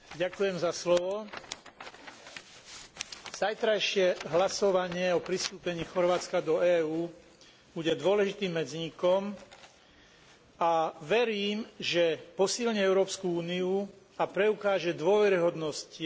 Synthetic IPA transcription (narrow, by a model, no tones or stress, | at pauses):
ɟakujɛmzaslɔʋɔ | z̥ajt̪ɾajʃɪɛɦlasɔʋaɲɪɛɔpɾist̪uːpɛɲiːxɔɾʋaːt͡skad̪ɔɛːuː | b̥uɟɛd̪ʊɔlɛʒit̪iːmːɛd͡zɲikɔm | aʋɛɾiːmʒɛpɔsilɲɛɛʊɾɔːpskuuːniu | apɾɛukaːʒɛd̪ʊɔʋɛɾiɦɔd̪nɔsci